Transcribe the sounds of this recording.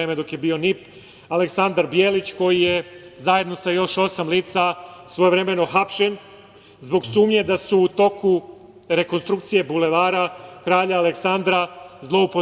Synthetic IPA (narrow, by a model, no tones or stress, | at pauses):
emed̪o̞kjebio̞nip | ale̞ksand̪aɾbjeːlit͡ɕko̞jije̞zaje̞d̪no̞sajo̞ʃo̞samliːt̪sasʋo̞jevɾe̞me̞no̞xapʃe̞n | zbo̞ɡsuːmɲe̞d̪asuːt̪o̞kʰu | ɾe̞ko̞nst̪ɾukt̪sije̞bule̞ʋaːɾakɾaːʎaːleksand̪ɾazlˠo̞upo